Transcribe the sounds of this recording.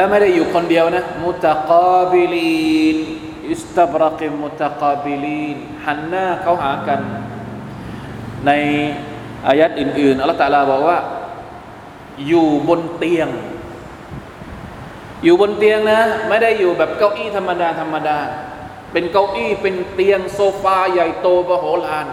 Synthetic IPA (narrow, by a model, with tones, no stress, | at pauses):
lɛː˦˥ma˥˩jda˥˩jːuː˨˩kʰo˧ndi˧əwna˦˥mu˧t̪a˧qɔː˧bi˧liː˧n | ʔi˨˦st̪a˦˩bɾɑ˦qmu˧t̪a˧qaː˧bi˧liː˧˥˩n | ha˩˦nːaː˥˩kʰa˦˥˩wɦaː˩˦ka˧n | a˧j | ʔaː˧ja˦˥t̪̚ʔɯː˨˩nʔɯː˨˩nʔa˧lːt̪aː˧laː˧bɔː˨˩k̚waː˥˩ | juː˨˩bo˧nt̪i˧əŋ | juː˨˩bo˧nt̪i˧əŋna˦˥ma˥˩jda˥˩jːuː˨˩bɛː˨˩p̚ka˥˩wʔiː˥˩t̪ʰa˧mːa˧daː˧t̪ʰa˧mːa˧daː˧ | pe˧nka˧wʔiː˥˩pe˧nt̪i˧əŋsoː˧faː˧ja˨˩jt̪oː˧bɔː˧ɦoː˨˦la˧ʔaː˧n